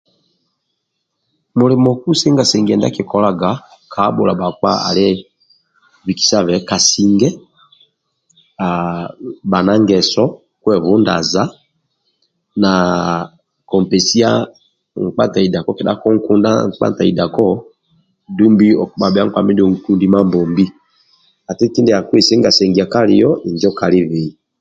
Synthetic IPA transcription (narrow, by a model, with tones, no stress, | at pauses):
mo˨lɛ˨mɔ˨ku˦se˦ŋɡa˨sɛ˨ŋɡɛ˨nda̰˦ke˨kɔ˨la˨ɡa˨˦kʰa˨˦ɓo˨la˨ba˨ka̰˦a̰˨le˦ | vi˨ki̥˨sa˦˨βɛ˨˦ka˨si˨ŋɡɛ˦ | a˨ba˨na˦ŋɡɛ˨sɔ˦ | kwɛ˦˨βu˦nda̰˨za˦ | na˨ | kɔ˨m˨pɛ˨si˦a˦ | ŋ̩˨k͡pa˦nta˨i˨da˨kɔ˦kɛ˨da̰˦kɔ˦ŋ̩˦ku˦nda̰˦ŋ̩˨k͡pa̰˦nta˨i˨da˨kɔ˦ | du˦mbi˦ɔ˨kɓa˨bɛ˨a˦ŋ̩˦kwa̰˨mi˦dɔ˨ŋ̩˨ku˦ndi˦ma˦mbɔ˨mbi˦ | a˨ti˦ti˦ndɛ˨a˨kwe˨se˦ŋɡa˨sɛ˨ŋɡi˨a˨ka˦li˨jɔ˦ʔi˨nd͡ʒɔ˦ka˨li˦βi˨i˨